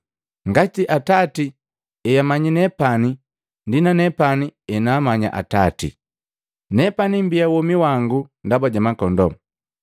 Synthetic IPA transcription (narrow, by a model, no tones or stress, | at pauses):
ŋɡatiʔatati | ɛjamaɲinɛpani | ndinanɛpaniɛnaːmaɲa̰ʔa̰tatḭ | nɛpanimbijawɔmiwaŋɡundabaɟamakɔndɔ